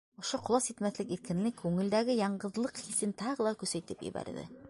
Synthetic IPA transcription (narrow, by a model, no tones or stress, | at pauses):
ŏʃoqŏlˠɑsit̪mæθlɘkiɾkɘ̆nlɘkʰːʉŋɘ̆ld̪æɡɘjɑɴɢɤ̆ðlˠɤqhisɘnt̪ɑʁɤlˠɑkʉsæjt̪ɘpjɘ̰bæ̰ɾðɘ̰